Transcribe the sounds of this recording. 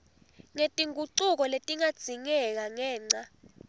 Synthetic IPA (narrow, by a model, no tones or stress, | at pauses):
ŋetʼiŋuǀuk̬ɔletʼiŋad̥z̥ʱiŋɛk̬aŋɛːŋ͡ǀa